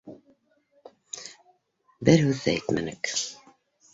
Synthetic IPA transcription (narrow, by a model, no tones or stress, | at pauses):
bɘɾhʉðːæ̰æjt̪mæ̰nɘk